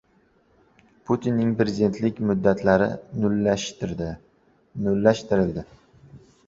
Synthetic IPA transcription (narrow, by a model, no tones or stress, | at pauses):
pʰʊt̪ʰinːɪŋpɾe̞zʲid̪e̞nt̪lɪkʲmʊd̪ːat̪ʰlaɾɪnʊlaʃt̪ɾd̪ɪ | nʊlːaʃt̪ɪɾɪld̪ɪ